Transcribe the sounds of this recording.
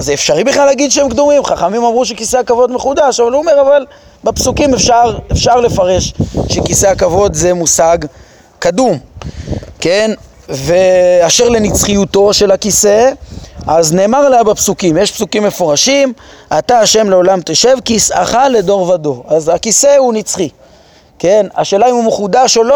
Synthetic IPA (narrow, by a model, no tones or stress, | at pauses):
zeːfʃaʁibiχlalːaɡid̪ʃeemkd̪omimχaχamimamʁuʃekiseakavo̞d̪meχud̪aʃavaluome̞ʁaval | bepsukimefʃaʁe̞fʃaʁle̞faʁe̞ʃʃe̞kise̞akavo̞d̪zemusaɡ | kad̪um | ke̞n | ve̞aʃeʁle̞nit͡sχijut̪o̞ʃe̞lhakise̞ʔazne̞ːmaʁlabepsukimjeʃpsukimːe̞foʁaʃimʔat̪aːʃe̞mle̞o̞lamt̪eʃe̞vkisa̰χale̞d̪o̞ʁvad̪o̞azakise̞hunit͡sχi | ke̞na̰ʃeːlaimumeχud̪aʃelo